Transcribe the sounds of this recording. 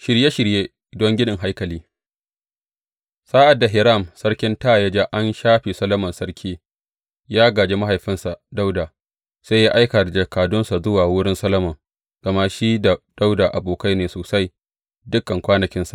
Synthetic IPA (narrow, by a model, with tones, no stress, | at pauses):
ʃɪ˨ɾje˦ʃɪ˨ɾjeː˦ | dɔ˦ŋɡʲɪ˦nɪ˨ŋɦa˦jkɐ˨liː˦ | saː˦ʔa˨dːa˨ɦɪ˨ɾa˦˨msɐ˦ɽkʲɪ˦ntaː˦˨jɐ˦d͡ʒa˦ʔa˦nʃaː˦ɸi˨sɐ˦lɐ˦mɐ˨nsɐ˦ɽkʲʰiː˦ | jaː˦ɡaː˨d͡ʒeː˦ma˦ɦa˨jɸɪ˦nsa˨da˦wdaː˨ | sa˦jaː˦ʔa˦jka˨da˨d͡ʒɐ˨kaː˨dʊ˦nsa˨zʊ˦waː˨wʊ˦ɽɪ˦nsɐ˦lɐ˦mɐ˨ŋ | ɡ̥ɐ˨ma˦ʃiː˦da˨d̥a˦wdaː˨ʔa˨boː˨ka˦jneː˨soː˨sa˦j | dʊ˦kːɐ˨ŋkʷaː˦nɐ˨kʲɪ˦nsḁ˨ʔ